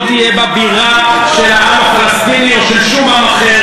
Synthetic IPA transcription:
t̪ijɛbabiʁa | ʃelaamafalast̪inioʃelʃumamaχe

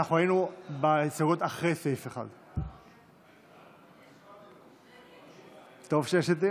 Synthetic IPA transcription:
aχuajinubeisaɡot̪aχʁefeifeχa̰d̪ | t̪ovʃejeʃet̪i

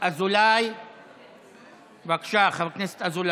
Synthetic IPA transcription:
ʔazulaj | vakʃaχaβknese̥t̪azula

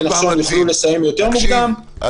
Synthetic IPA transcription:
naχʃonlifulesajimjot̪e̞ʁmuɡd̪am

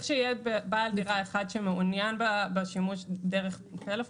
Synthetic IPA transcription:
χʃeijebebaldiʁaeχadʃemeunjanbabeʃimuʃdeʁeχtelef

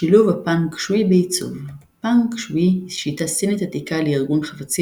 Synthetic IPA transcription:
ʃiluvapaŋkʃwibeit͡sṵv | paŋkʃwiʃit̪asinet̪at̪ikalejiʁɡunχafat͡si

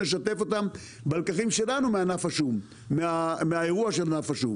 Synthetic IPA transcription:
leʃat̪e̞fo̞t̪am | baalkaχimʃe̞lanumeanafaʃumː | eameaeʁuaʃelnafaʃum

